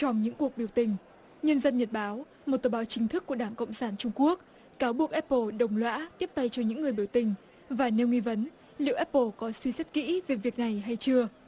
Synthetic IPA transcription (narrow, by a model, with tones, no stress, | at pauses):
t͡ɕɔ˧wŋ͡mɲɨ̰˧˥ŋku˨˩ək̚ɓi˧˩əwt̪ï˨˩ŋ̟ | ɲə˧nzə˧nɲə˨˩t̚ɓaː˨˦w | mo˨˩t̚t̪əː˨˩ɓaː˨˦wt͡ɕï˨˦ŋ̟t̪ʰɨ˦˥kːu˧˩əɗaː˧˩ŋko̰˧˨wŋ͡msaː˧˩nt͡ɕʊ˧ŋ͡mku˦˥ək̚ | kaː˨˦wɓu˨˩ək̚ʔɛ˦˥p̚ːo˧˩ɗə˨˩wŋ͡mlwa̰ː˧˥t̪i˦˥əp̚t̪a˧jt͡ɕɔ˧ɲɨ̰˧˥ŋːɨ˨˩əjɓi˧˩əwt̪ï˨˩ŋ̟ | vaː˨˩ne˧wŋi˧və˨˦n | lḭ˧˨wʔɛ˦˥p̚po˧˩kɔ˨˦swi˧sa˦˥t̚kḭ˧˥ve˨˩vi˨˩ək̚na˨˩jɦa˧jt͡ɕɨ˧ə